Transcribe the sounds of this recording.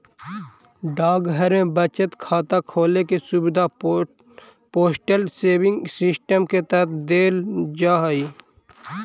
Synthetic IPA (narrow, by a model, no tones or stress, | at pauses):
ɖaːɡɦɐɾẽbɐt͡ʃət̪kʰaːt̪akʰoːlekesʊbd̪a | poːsʈəlseːʋɪ̃ŋɡsɪsʈəmket̪əɾət̪ʰd̪eːld͡ʒaːɦiː